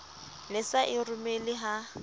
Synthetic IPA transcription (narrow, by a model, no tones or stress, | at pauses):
lɪsaʔɪrʊmelɪɦa